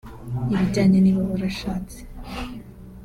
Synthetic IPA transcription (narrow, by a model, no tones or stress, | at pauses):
iβiɟaːɲeniβaβuɾaʃaːt͡se̥